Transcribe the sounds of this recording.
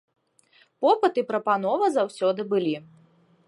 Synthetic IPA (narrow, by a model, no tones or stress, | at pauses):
pɔpɨt̪ɨpɾɐpan̪ɔvɐzawsʲɔd̪ɨbɨlʲi